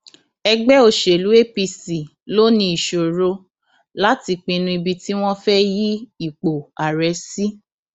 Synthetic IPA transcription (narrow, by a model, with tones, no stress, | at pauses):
ɛ˧ɡ͡bɛ˦o˧˨ʃe˨lu˨˦e˦pi˧si˨ | lo˦nĩ˧i˨ʃo˨ɾo˧ | la˦ti˧k͡pĩ˧nũ˧i˧bi˧ti˦w̃ɔ̃˦fɛ˦ji˦i˦˨k͡po˨a˨ɾɛ˨˦si˦